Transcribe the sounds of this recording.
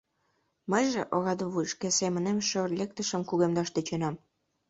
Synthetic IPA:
məjʒĕʔoɣɑd̪uβujʃkesemə̆nemʃørlʲek̚t̪əʃə̆mkuɣemd̪ɑʃt̪et͡ɕenɑm

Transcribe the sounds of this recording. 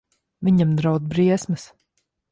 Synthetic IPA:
vʲiɲamd̪ɾawd̪bɾiɛsmɨs

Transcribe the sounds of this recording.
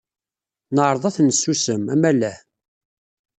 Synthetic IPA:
nəʕɾˤðˤɑθnsːusəmæmælæ

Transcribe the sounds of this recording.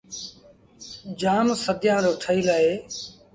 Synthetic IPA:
d͡ʒaːmsəd̪jãːɾoːʈʰəiːlaːeː

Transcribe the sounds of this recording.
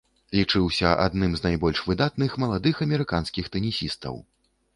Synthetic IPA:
lʲit͡ʂɨwsʲɐʔa̰d̪nɨmznajbɔlʲʂvɨd̪at̪nɨxmɐlˠad̪ɨxɐmʲɛɾɨkanskʲixt̪ɛnʲisʲist̪ɐ̰w

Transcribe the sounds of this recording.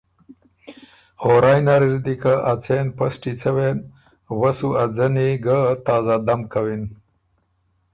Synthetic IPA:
hoɾɑjnaɾiɾd̪ikaʔat͡sʰenpəsʈit͡sʰəwen | wasuad͡zəniɡat̪ɑːzad̪amkawin

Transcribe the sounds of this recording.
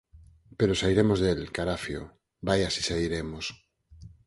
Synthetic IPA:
peɾosaiɾemozðelkaɾafjo̰ | bajasisaiɾemos

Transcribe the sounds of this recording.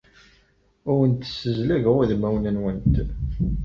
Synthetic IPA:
ʊɾənt̪ːə̥səzlæʝʁæðmæwnənwənt̪

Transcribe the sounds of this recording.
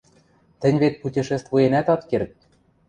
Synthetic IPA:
t̪ɘ̆nʲβet̪̚putʲiʃĕst̪vujenæt̪ɑt̪kert̪̚

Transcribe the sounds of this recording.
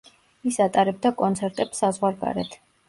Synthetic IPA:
isat̪ʼaɾɛb̚d̪akʼɔnt̪sʰɛɾt̪ʼɛpsazʁwaɾɡa̰ɾɛ̰t̪ʰ

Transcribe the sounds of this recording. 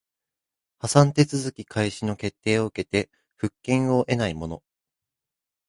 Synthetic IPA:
hasãnt̪e̞t͡sɨzɨkʲikʰaiɕino̞ke̞t̪ːe̞ːo̞ɯ̟ke̞t̪e̞ | ɸɯ̟kːẽ̞ɰ̃o̞ʔe̞naimo̞no̞

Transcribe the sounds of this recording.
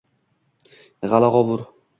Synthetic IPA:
ʁalaʁɒvʊɾ

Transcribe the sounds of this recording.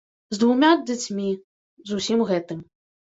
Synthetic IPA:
zd̪vumʲad͡zʲat͡sʲmʲi | zusʲimɣɛt̪ɨm

